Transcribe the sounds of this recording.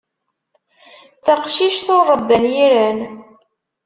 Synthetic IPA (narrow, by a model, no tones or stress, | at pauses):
t͡sːəqʃiʃθorˤəbːænjiɾæn